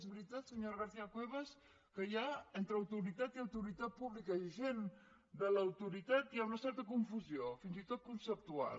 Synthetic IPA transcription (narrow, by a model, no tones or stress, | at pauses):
zβɾit̪at̪səɲoɾɣ̞aɾθiakweβəs | kəjaent̪ɾəːwt̪uɾit̪at̪iawt̪uɾit̪at̪̚puβlikaiʒen | d̪əlawt̪uɾit̪at̪̚jaunəsɛɾt̪əkuɱfuzjofinzit̪ot̪̚kunsəp̚t̪ua̰l